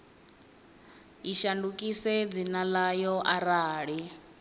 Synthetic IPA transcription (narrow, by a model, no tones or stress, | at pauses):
iʃandukʼisɛd͡zinalajɔʔaɾaːɺi